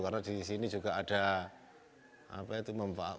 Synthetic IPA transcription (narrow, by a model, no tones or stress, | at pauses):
karnadisinid͡ʒuɡaad̥a | a̰pait̪uməɱfa̰a̰